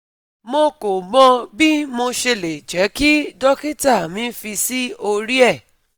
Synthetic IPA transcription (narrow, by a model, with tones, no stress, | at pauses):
mo˧ko˨ɡ͡bɔ̃˧˦bi˦mo˧ʃe˧le˨d͡ʒɛ˨˦ki˦dɔ˦ki˦ta˦˨mĩ˨˦fi˧si˦o˧ɾi˦ɛ˦˨